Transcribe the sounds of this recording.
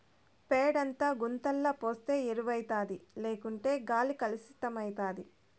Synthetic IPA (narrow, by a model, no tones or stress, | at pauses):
peːɽɐnt̪aːɡunt̪ɐlːɐpoːst̪e̞ːɾuʋɐjt̪aːd̪ileːkuɳʈe̞ːɡaːlikɐlisi̥t̪ɐmɐjt̪aːd̪i